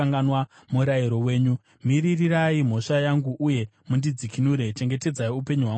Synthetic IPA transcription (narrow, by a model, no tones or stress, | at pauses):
aŋɡanwa | muɾaiɾo̞we̞ːɲu | miririraim̤o̞ʂajaŋɡuʔuje̞ | mundid͡zikinuɾe̞t͡ʃe̞ŋɡe̞te̞d͡zaiupe̞ɲuɦwa